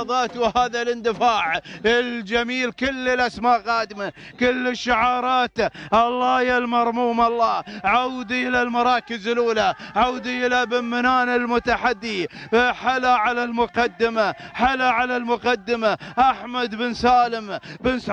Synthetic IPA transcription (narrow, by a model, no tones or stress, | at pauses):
ðˤɑːt̪whaːðalʔɪnd̪ɪfaːʕɪld͡ʒamiːlkʊlːɪlʔasmaːʔqɑːd̪ma | kʊlːɪʃːʊʕɑːɾˤɑːt̪ʔɑlˤːɑːjalmɑɾˤmuːmɑlˤːɑːʕawd̪iʔɪlalmɑɾˤɑːkɪzɪluːlaʕawd̪iʔɪlabɪmːɪnaːnɪlmʊt̪aħad̪ːiħalaʕalalmʊqɑd̪ːɪmaħalaʕalalmʊqɑd̪ːɪmaʔaħmad̪bɪnsaːlɪmbɪns